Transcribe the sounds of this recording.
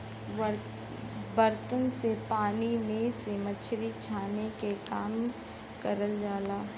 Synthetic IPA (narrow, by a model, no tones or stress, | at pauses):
bəɾt̪ənsepaːnimẽsiːmət͡ʃʰɾit͡ʃʰaːnekekaːm | kəɾəld͡ʒaːlaː